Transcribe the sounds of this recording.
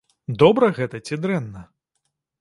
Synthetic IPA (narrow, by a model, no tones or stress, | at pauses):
d̪ɔbɾɐɣɛt̪ɐt͡sʲid̪ɾɛnːɐ